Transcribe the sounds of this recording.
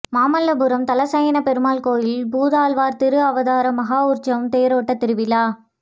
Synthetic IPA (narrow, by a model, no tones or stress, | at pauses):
maːmɐlːɐbɯɾɐmt̪ɐlɐsɐjɐnɐpɛɾɯmaːlkoːjɪlbuːðaːlʋaːɾt̪ɪɾɯɐʋɐðaːɾɐmɐɣaːuɾt͡ʃɐʋmt̪eːɾoːʈːɐt̪ɪɾɯʋɪlaː